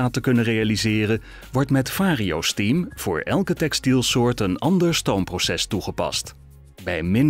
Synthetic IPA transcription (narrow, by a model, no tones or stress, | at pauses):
aːtəkɵnərejalizɪːrə | ʋɔɹtmɛtfaːriowstimv̥ʊːɹʔɛ̰lˠkətɛkstilˠsʊːɹtənɑndəɹstowmprowsɛstuχəpɑ̰st | bɛjmɪn